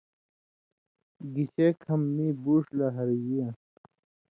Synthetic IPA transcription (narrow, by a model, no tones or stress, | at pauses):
ɡiɕekʰɐmːibuːʂlaɦɐɾjiã